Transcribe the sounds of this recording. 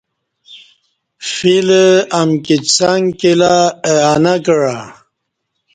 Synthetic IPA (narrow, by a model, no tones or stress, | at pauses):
filəamkit͡saŋkilaeanakəɻa